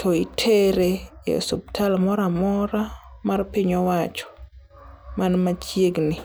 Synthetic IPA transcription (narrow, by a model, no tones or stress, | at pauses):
tʰɔitʰeɾejḛsob̚tʰalmɔɾamɔɾamarpiɲɔwat͡ʃɔ̥ | manmat͡ʃjeɡnɪ